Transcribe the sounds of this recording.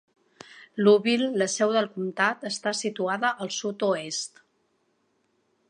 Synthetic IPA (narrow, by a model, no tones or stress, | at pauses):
luβilːəsɛwðəlˠkumt̪at̪əst̪asit̪uaðəʔəlˠsut̪uest̪